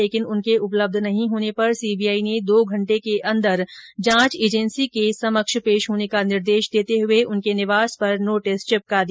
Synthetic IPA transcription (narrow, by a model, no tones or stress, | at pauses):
eːkɪnʊnkeʊpləb̚d̪ʱnɐɦĩɦoːnepɐɾsiːbijaːined̪oːɡʱɐ̃ɳʈekeʔɐ̃nd̪əɾd͡ʒãːt͡ʃeːd͡ʒɛnsikesɐməkʃpeːʃɦoːnekanɪɾd̪eːʃd̪eːt̪eɦʊeʊnkenɪʋaːspɐɾnoːʈɪst͡ʃɪp̚kad̪i